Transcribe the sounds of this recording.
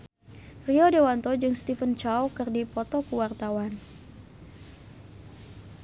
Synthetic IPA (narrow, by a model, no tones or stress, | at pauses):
riɔdewant̪ɔd͡ʒɨŋst̪ifənt͡ʃawkɨrdipɔt̪ɔkuwart̪awan